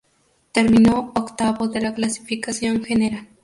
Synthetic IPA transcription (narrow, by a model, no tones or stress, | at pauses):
t̪eɾminookt̪aβod̪elaklasi̥fikasjoŋxeneɾal